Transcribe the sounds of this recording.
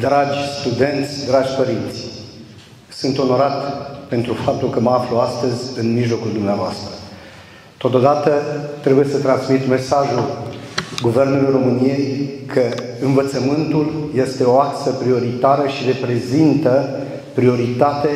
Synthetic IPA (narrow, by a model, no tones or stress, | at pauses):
d̪ɾad͡ʒʲst̪ud̪e̞nt̪sʲd̪ɾad͡ʒʲpəɾint̪sʲ | sɨnt̪o̞no̞ɾat̪pe̞nt̪ɾufap̚t̪ulkəməafluast̪əzʲɨnmiʒlo̞kuld̪umneavoast̪ɾə | t̪o̞t̪od̪at̪ət̪ɾe̞buje̞sət̪ɾanszmit̪me̞saʒul | ɡuve̞rnulujro̞mɨnije̞jkʰəɨnvət̪səmɨnt̪ulje̞st̪e̞o̞aksəpɾio̞ɾit̪aɾəʃire̞pɾe̞zint̪ə | pɾio̞ɾit̪at̪e̞